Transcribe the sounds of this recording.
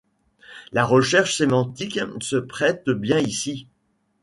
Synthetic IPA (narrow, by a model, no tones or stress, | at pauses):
laʁəʃɛʁʃsemɑ̃t̪iksəpχɛt̪bjɛ̃isi